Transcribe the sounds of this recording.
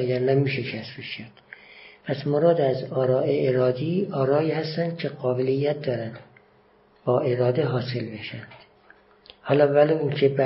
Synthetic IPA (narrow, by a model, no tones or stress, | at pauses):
æjæɾnæmiːʃekʰæst̪beʃæd̪̥pʰæsmoɾɒːd̪æzɒːɾɒːʔeeɾɒːd̪iɒːɾɒːiːhæst̪ænd̪̥̚cʲʰe̞ɢɒːbelijːæt̪̚d̪ɒːɾænd̪ | bɒːʔe̞ɾɒːd̪eɦɒːse̞lbe̞ʃænd̪̥ | hɒːlɒvæloincʰebæ